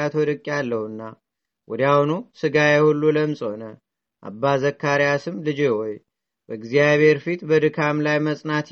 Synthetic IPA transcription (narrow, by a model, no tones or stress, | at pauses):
at̪ʰwɔd̪ɨkʼːalːəhuɨnːa | wʔɔd̪jawunusɨɡajɛhulːuləmsʼho̞nə | ʔa̰bːazəkʰːaɾijasɨmlɨd͡ʒihɔj | bəɨɡzijaβhe̞ɾfit̪bəd̪ɨkʰamlajməsʼnat̪